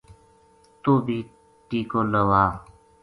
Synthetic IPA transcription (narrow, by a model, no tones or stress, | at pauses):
t̪oːbʱiː | ʈiːkoːləwaː